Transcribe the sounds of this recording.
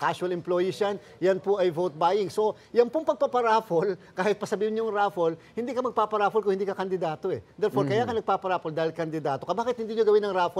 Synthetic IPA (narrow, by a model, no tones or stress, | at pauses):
kasʊɐlɛmplojɪʃan | jɐnpoʔɐjvowt̪̚bajɪŋso̞ | jɐnpoŋpɐɡ̚pɐɡpɐɾaːfolkaːhɪt̪̚pɐsɐbiːhɪnɲoŋɾaːfolhɪnd̪iːkɐmɐɡ̚paːpɐɾaːfolkʊŋhɪnd̪iːkɐkɐnd̪ɪd̪aːt̪oʔɛd̪ɛɾfoɾkɐjakɐnɐɡ̚paːpɐɾaːpold̪aːhɪlkɐnd̪ɪd̪aːt̪o̞kɐbaːkɪt̪̚hɪnd̪iːɲoɡɐwɪnːɐŋɾaːfo